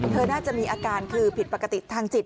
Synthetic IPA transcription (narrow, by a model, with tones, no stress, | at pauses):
t̪ʰɤː˧naː˥˩t͡ɕa˨˩ʔmiː˧ʔaː˧kaː˧nkʰɯː˧pʰi˨˩t̪̚pa˧˩kːa˧t̪i˨˩t̪ʰaː˧ŋt͡ɕi˨˩t̪̚